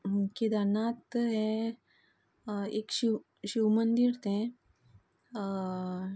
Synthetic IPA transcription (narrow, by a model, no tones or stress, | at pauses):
kid̪anat̪ɦɛ̃ | ekɕi | ɕiwmənd̪iɾt̪ɛ̃